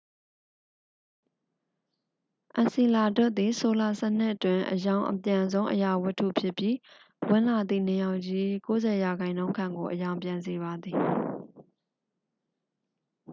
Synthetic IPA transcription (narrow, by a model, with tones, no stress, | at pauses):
ʔã˨nsi˨la˨dɛ˦ʔ̪̚d̪i˨so˨la˨sɛ˦ʔn̥ɪ˦ʔətwɪ̃˨ʔəjã˨ʊ̃ʔəpjã˨zõ˦ʊ̃ʔəja˨wɪ˦ʔtʰːṵ˦˨pʰjɪ˦pji˦ | wɪ̃˦la˨d̪ðḭ˦˨nɪ˨jã˨ʊ̃d͡ʑi˦ko˦zɛ˨ja˨ɡã˨ɪ̃nõ˦ʊ̃ŋkʰã̰˦˨ŋɡo˨ʔəjã˨ʊ̃mpjã˨nze˨βa˨d̪ði˨